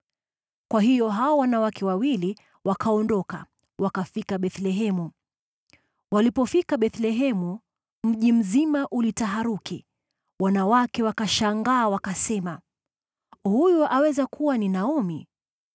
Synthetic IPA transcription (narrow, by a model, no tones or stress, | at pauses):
kwaɦijɔɦawawanawakɛwawili | wakʰaɔndɔka̰ | wakafikaɓɛθlɛɦɛmu | walipɔfikaɓɛθlɛɦɛmu | m̩ʄim̩zimaʔulitaɦaɾuki | wanawakɛwakaʃaŋɡaːwakasɛma | hujuʔawɛzakʰuwaninaumi